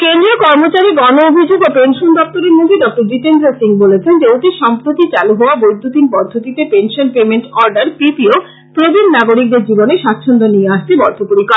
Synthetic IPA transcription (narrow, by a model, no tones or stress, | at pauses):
kend̪ɾiokɔɾmot͡ɕaɾiɡɔnoobʱid͡ʑoɡapenʃond̪ɔp̚t̪oɾeɾnod̪ʱiɖɔk̚ʈoɾd͡ʑiʈend̪ɾasiŋbolet͡ɕʰend͡ʑeoʈiʃɔmpɾot̪it͡ɕaluɦooabojd̪ʱːut̪inpɔd̪ʱːot̪it̪epenʃonpemenʈɔɾɖaɾpipio | pɾobʱinnaɡoɾik̚d̪eɾd͡ʑiboneʃat̪ːʃʰont̪onijeaʃt̪ebɔ̰ɾd̪ʱopoɾika